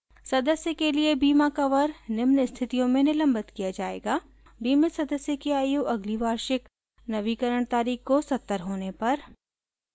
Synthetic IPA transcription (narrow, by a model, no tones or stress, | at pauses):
sɐd̪əsjəkeliebiːmakɐʋəɾnɪmnst̪ʰɪt̪ijõmẽnɪlɐ̃mbət̪kijad͡ʒaːḛːɡaː | biːmesɐd̪əsjəkeaːjuːʔɐɡliʋaːɾʃɪk | nɐʋikəɾəɽ̃t̪aːɾiːxkosɐt̪ːəɾɦoːnepɐɾ